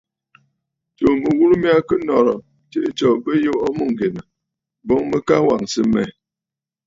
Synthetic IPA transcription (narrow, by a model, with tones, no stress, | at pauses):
t͡ʃo˨mə˨wu˦ɾu˦mja˦kə˦nɔ˨ɾɔ˨ | te˦t͡ʃɔ˨bə˦jo˦ʔɔ˦mo˦˨ŋ˨ɡe˨nə˨ | bɔ˦ŋmə˦ka˦wa˨ŋsə˦mɛ̰˦˨